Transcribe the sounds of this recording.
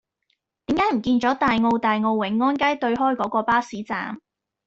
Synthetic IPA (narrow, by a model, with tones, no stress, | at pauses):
t̪iː˨˥mkaː˨˥jm̩˨˩kiː˧nt͡ʃɔː˨˥t̪aː˨jŋo˧wt̪aː˨jŋo˧wwɪ˨˥ŋːɔː˥nkaː˥jt̪ɵ˧ɥɦɔː˥jkɔː˨˥kɔː˧paː˥siː˨˥t͡sa̰ː˨˧m